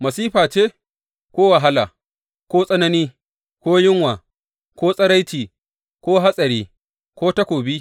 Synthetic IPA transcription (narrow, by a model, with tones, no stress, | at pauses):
mɐ˨siː˦ɸaː˨t͡ʃeː˦ | kʷoː˦wɐ˨ɦa˦laː˨ | kʷoː˦sʼɐ˦nɐ˦niː˦ | kʷoː˦jɪ˦ŋwaː˨ | kʷoː˦sʼɐ˦ɽa˦jtiː˨ | kʷoː˦ɦa˦sʼɐ˨ɾiː˦ | kʷoː˦tɐ˦kʷoː˨bi˦